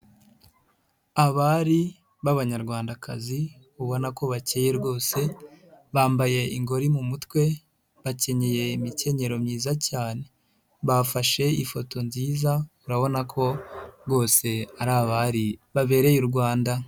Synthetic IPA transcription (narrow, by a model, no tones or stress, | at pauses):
aβaɾi | βaβaɲaɾɡwaːndakʰa̰zi | uβo̞nako̞βaceːje̞ɾɡo̞ːse̞βaːmbaje̞iŋɡo̞ɾimumutwe̞ | βace̞ɲe̞je̞imice̞ɲe̞ɾo̞mɲiːzacaːne̞ | βafaʃe̞ifo̞tʰo̞nziːzauɾaβo̞nakʰo̞ɾɡo̞ːse̞aɾaːβaɾiβaβe̞ːɾe̞juɾɡwaːnda